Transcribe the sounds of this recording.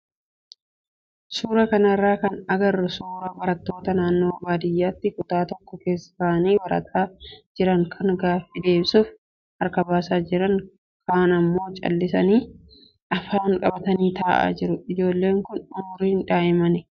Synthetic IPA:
suːɾɐkɐnɐrːaːkɐnɐɡɐrːʊsuːɾɐbɐɾɐt̪ːo̞ːt̪ɐnaːnːo̞ːbaːd̪ɪjːaːt̪ːɪkʊt̪aːt̪ɔkːɔke̞ːsːɪ̥saːniːbɐɾɐ̰t̪ʰaːd͡ʒɪɾɐŋkʰɐŋɡaːfːɪd̪e̞ːmsʊːf | ɐɾkɐbaːsaːd͡ʒɪɾɐŋ | kʰaːnɐmːo̞ːt͡ʃʼɐ̰lːɪsɐniː | ʔɐfaːŋkʼɐbɐt̪ɐniːt̪aːʔa̰ːd͡ʒɪɾʊɪd͡ʒo̞ːlːe̞ːŋkʊnʊmʊɾiːɪnᶑaːʔɪmɐnɪ

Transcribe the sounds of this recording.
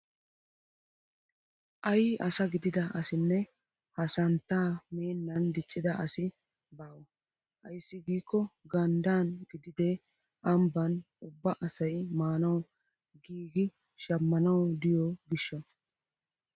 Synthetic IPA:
ʔɐjʔɐsɐɡɪd̪ɪd̪ɐʔɐsɪnːɛ | hɐsɐnt̪ːaːme̞ːnːɐnd̪ɪt͡ʃʼːɪd̪ɐʔɐsɪ | baːwɐ | hɐjsːɪɡiːkːɔɡɐnd̪aːnɡɪd̪ɪd̪ɛ | ʔɐmbɐn | ʊbːɐʔɐsɐjmaːnɐw | ɡiːɡɪ | ʃɐmːɐnɐwd̪ɪjoɡɪʃːɐ

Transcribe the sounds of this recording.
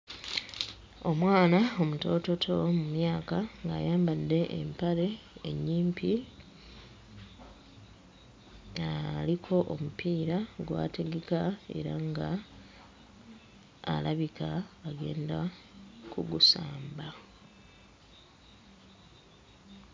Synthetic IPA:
o̞mwaːnao̞muto̞ːto̞tʰo̞mumjaːkaŋɡa̰ːjaːmbadːe̞ʔḛmpale̞ḛɲːiːmpʰi | alikʰo̞ʔomupiːɾaɡwa̰ːte̞ɡe̞kae̞̰ɾaŋɡa | laβikaːɡe̞̰ːndakuɡusaːmba

